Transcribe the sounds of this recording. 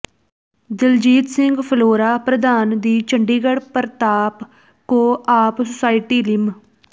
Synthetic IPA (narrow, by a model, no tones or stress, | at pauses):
d̪ɪld͡ʒiːt̪sɪŋɡpʰəloːɾaːpɾəd̪aːnd̪iːt͡ʃəɳɖiːɡəɽpəɾt̪aːp | koːaːpsʊsaːiʈiːlɪm